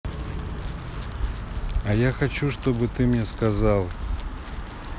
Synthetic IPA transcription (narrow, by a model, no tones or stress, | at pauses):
ɐjaxɐt͡ɕuʂt̪obɨt̪ɨmnʲɛskɐzalˠ